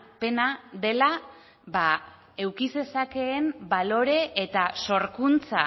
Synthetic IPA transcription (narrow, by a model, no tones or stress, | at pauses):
pe̞naðe̞la | ba | e̞wkise̞sake̞ːmbalo̞ɾe̞ʔːt̪aso̞ɾkunt͡sa